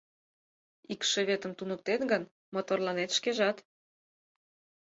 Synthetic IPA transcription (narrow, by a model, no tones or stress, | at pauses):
ikʃeβet̪əmt̪unək̚t̪enɡən | mot̪orlɑnet̪ʃkeʒɑt̪